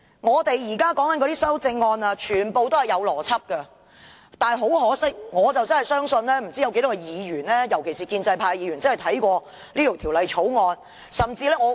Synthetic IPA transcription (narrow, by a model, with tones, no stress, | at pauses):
ŋɔː˨˧t̪e˨jjiː˨˩kaː˥kɔː˨˥ŋkɐ˦nkɔ˧t̪iː˥sɐ˥wt͡sɪ˧ŋːɔː˧nɐː˧t͡ʃʰyː˨˩npo˨wt̪o˥whɐ˨jɐ˨˧wlɔː˨˩t͡sʰɐ˥p̚kɐ˧ | t̪aː˨˩ɦo˨˥wɦɔː˨˥sɪ˥k̚ŋɔː˨˧t͡sɐ˨wt͡sɐ˥nɐ˨jsœː˥ŋsɵ˧nlɛː˥m̩˨˩t͡siː˥jɐ˨˧ke˧˥t̪ɔ˦˥kɛ˧jiː˨˧jyː˨˩nlɛː˥jɐ˨˩wkʰe˨˩jsiː˨˩kiː˧nt͡sɐ˧jpʰaː˧jiː˨˧ɥyː˨˩nt͡sɐ˥nhɐ˨˩t̪ʰɐ˨˥jkʷɔː˧ | liː˥t̪o˨˩t̪ʰi˨˩wlɐ˨˧jt͡ʃʰo˨˥wŋɔː˧n | sɐ˨˩mt͡siː˧lɛː˥ŋɔ˨˧